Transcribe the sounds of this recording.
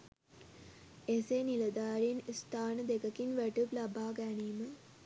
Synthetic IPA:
eseniləd̪aːɾinst̪aːnəd̪ekəkinʋæʈuplabaːɡæniːmə

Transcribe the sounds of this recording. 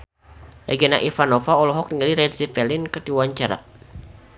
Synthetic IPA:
lɛɡɛnaʔifanɔfaɔlɔɦɔk̚niŋaliɾɛdzipɛlɪnkət̪iwaɲt͡ʃaɾa̰

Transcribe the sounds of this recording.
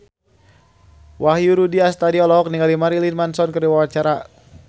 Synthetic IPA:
wahjuɾudiast̪adiɔlɔɔk̚niŋalimaɾilinmansɔnkəriwawat͡ʃaɾa

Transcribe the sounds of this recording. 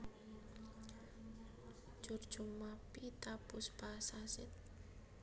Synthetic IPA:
d͡ʒ̥urd̥d͡ʒ̥umapit̪apʊsb̥asasɪt̪̚

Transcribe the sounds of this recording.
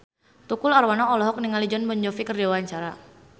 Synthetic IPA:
t̪ukʊlarwanɔɔlɔɦɔk̚niŋalid͡ʒɔnbɔɲd͡ʒɔfikərdawaɲt͡ʃaɾa

